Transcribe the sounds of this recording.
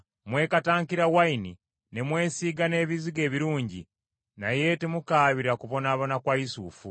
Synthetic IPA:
mwe̞ːkataːŋkiɾawaini | nemwe̞ːsiːɡane̞ːβiziɡe̞ːβiɾuːɲɟi | naje̞temukaːβiɾakuβo̞naːβonakwaisuːfu

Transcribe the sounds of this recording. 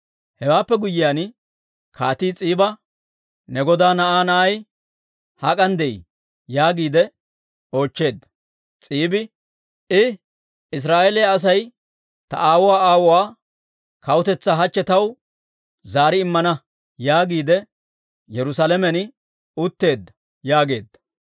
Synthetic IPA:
hɛwaːpːɛɡʊjɪjaːn | kʰaːt̪iːt͡sʼiːbɐ | nɛɡɔd̪aːnɐʔaːnɐʔɐj | hɐkʼɐnd̪ɛʔḭ | jaːɡiːd̪ɛ | o̞ːt͡ʃːe̞ːd̪ɐ | t͡sʼiːbɪ | ɪ | ɪs̬ɾaːʔɛlɛjaːs̬ɐj | t̪ɐ̰ʔaːwʊwaːaːwʊwaː | kɐwʊt̪ɛt͡sːaɦɐt͡ʃːɛt̪ɐw | zaːɾɪɪmːɐnɐ | jaːɡiːd̪ɛ | jɛɾʊsalɛmɛnɪ | ʊt̪ːe̞ːd̪ːɐ̥ | jaːɡe̞ːd̪ːɐ̥

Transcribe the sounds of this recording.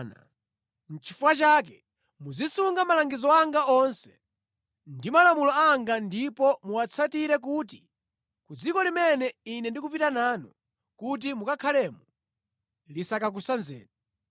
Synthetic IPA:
na̰ | n̩t͡ʃʰifuat͡ʃaːk̬ɛ | mud͡zisuŋɡamalaŋɡizɔaŋɡaɔnsɛ̥ | ndimalamulɔaŋɡandipɔmuwat͡sʰatiɾɛk̬uːti | kud͡zikɔlimɛnɛinɛndikupitanaːnɔ | kut̬imukakʰalɛːmu | lisakak̬usanzɛ̰ːnɛ

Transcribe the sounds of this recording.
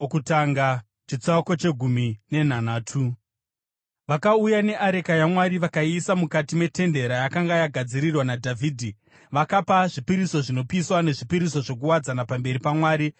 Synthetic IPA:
kutaŋɡa | t͡ʃit͡sako̞t͡ʃe̞ɡʱumine̞n̤anaːtʰu | ʋakaujane̞ʔaɾe̞kajamwaɾiʋakaisamukatime̞te̞nde̞ɾajakaŋɡajaɡʱad͡ziɾirwanadʱavʱiːdʱi | ʋakapaʐipiɾiso̞ʐino̞piswane̞ʐipiɾiso̞ʐo̞k̬uwad͡zanapambe̞ɾipamwaːɾi

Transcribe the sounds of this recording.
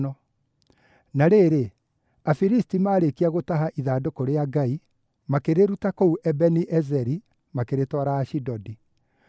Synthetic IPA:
ɔ | naɾeɾe | afiɾistimaːɾekiaɣotaɦaʔiðaːdokoɾeaɡai | makeɾeɾutakouʔɛbɛniʔɛzɛɾi | makeɾetwɔɾaːʃidɔdi

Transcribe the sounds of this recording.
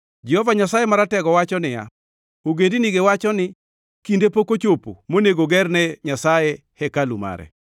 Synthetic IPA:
d͡ʒɛhɔvaɲasajɛmaɾatɛɡɔwat͡ʃɔnɪja̰ | oɡendiniɡewat͡ʃɔnɪ | kindepokot͡ʃopo̰moneɡoɡɛrnɛɲasajɛ | hɛkaluma̰ɾɛ̰

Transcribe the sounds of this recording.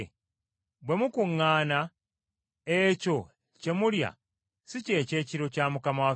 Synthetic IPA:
bwe̞mukuŋːaːna | eco̞ | ce̞mulja̰ | sice̞ːce̞ːciɾo̞caːmukamawa

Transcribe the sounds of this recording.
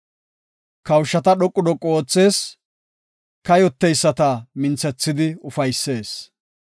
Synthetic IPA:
kɐwʃːɐt̪ɐɗɔkʼːʊd̪ɔkʼːoːt͡sːe̞ːs | kɐjɔt̪ːɛjsːɐt̪ɐmɪnt͡sːɛt͡sːɪd̪ɪʊfɐjsːe̞ːs

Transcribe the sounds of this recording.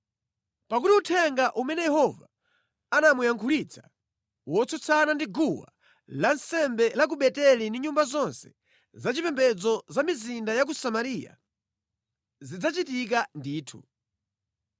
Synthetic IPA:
pak̬utiutʰɛŋɡaʔumɛnɛjɛhɔva | anamujaŋkʰulit͡sʰḁ | wɔt͡sɔt͡sʰanandiɡuwa̰ | lansɛmbɛlak̬uɓɛtɛlindiɲumbazɔnsɛ̥ | zat͡ʃipɛmbɛd͡zɔzamizindajak̬usamaɾija̰ | zid͡zat͡ʃitik̬andiːtʰṵ

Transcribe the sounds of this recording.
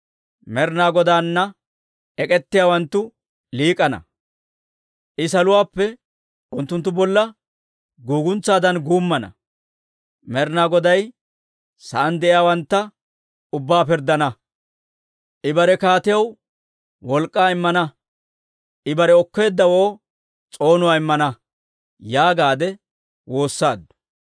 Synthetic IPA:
mɛɾnaːɡɔd̪aːnːɐ | ɛkʼɛt̪ːɪjaːwɐnt̪ːʊ | liːkʼɐnɐ̰ | ʔɪsɐlʊwaːpːɛ | ʊnt̪ːʊnt̪ːʊbɔlːɐ | ɡuːɡʊnt͡sːaːd̪ɐnɡuːmːɐnɐ̰ | mɛɾnaːɡɔd̪ɐj | sɐʔɐnd̪ɛʔɪjaːwɐnt̪ːɐ | ʊbːaːpɪɾd̪ːɐnɐ | ʔɪbɐɾɛkaːt̪ɪjɐw | wɔlkʼːaːɪmːɐnɐ | ʔɪbɐɾɛɔkːe̞ːd̪ːɐwoː | t͡sʼo̞ːnʊwaːɪmːɐnɐ | jaːɡaːd̪ɛ | wo̞ːsːaːd̪ːʊ̥

